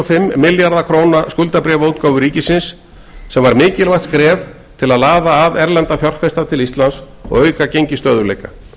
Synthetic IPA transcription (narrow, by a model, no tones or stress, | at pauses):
fɪmːɪljaɾðakʰɾoːwnaskʏlt̪apɾɛːvaouwt̪̚kaːwvʏɾiːcɪsɪnsː | ɛmvaɾmɪːcɪlvajht̪skɾɛːv | t̪ʰɪlaðlaːðaːvɛɾlɛnt̪afjɔr̥fɛst̪at̪ʰɪlist̪lans | ɔ̰ɣœːɥkacejɲcɪst̪œːðʏlḛjka